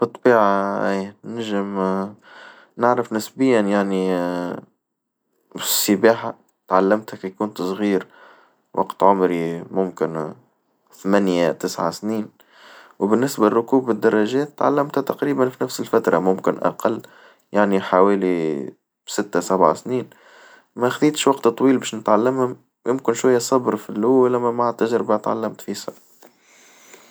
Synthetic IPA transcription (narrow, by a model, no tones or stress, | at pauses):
b̥ɨt̪ˤːbiːʕaʔiːnæʒɪm | nɪʕɾɪfnɪsbɪjːanjaʕni | fsəbaːħa | t̪ʕalːamt̪hækjkuːnt̪sˤɣiːɾ | wʔɑ̰qt̪ʕʊmɾimʊmkɪn | θmænjat̪ɪsʕa̰sniːn | wbɪnːɪsbærˤːʊkuːbɪd̪ːɑrˤːɑʒɛːt̪ːʕa̰lːæmt̪ht̪ɑqɾiːbanfinæfsəlfæt̪ɾˤɑmʊmkɪnʔa̰qɑlː | jaʕniħawɛːli | sɪt̪ːasæbʕa̰sniːn | mæxθiːt̪ʃwɑqt̪t̪ˤːwiːlbɛːʃnət̪ʕalːəmhʊm | jʊmkɪnʃwæjːæsˤɑbɾfilːuːælːæmæmaʕat̪ːæʒɾɪbat̪ʕa̰lːamt̪fisɑ